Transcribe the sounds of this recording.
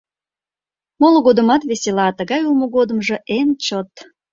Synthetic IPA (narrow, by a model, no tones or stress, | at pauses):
molɣod̪ə̆mɑt̪βeselɑt̪əɣɑjulmoɣod̪ə̆mʒe̽ʔent͡ɕot̪